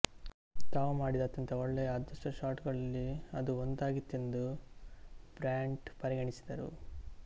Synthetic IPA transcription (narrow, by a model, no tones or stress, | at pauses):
t̪aːʋumaːɽid̪at̪ːɐnt̪ɐɔɭːejɐaːd̪ɐʂʈɐʃaːʈɡɐɭɐlːiɐd̪uond̪aːɡit̪ːend̪u | b̥ɾaːɳɖpɐɾiɡɐɳisi̥d̪ɐɾṵ